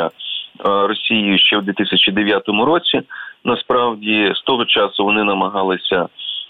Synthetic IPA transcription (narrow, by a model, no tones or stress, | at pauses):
ɐ | rɔsʲijijʊʃt͡ʃɛwd̪ʋʲit̪ɪsʲɐt͡ʃid̪eʋʲjat̪ɔmʊɾɔt͡sʲinɐspɾɑwdʲist̪ɔɦɔt͡ʃɑsʊʋɔnɪnɐmɐɦɑlˠɪsʲɐ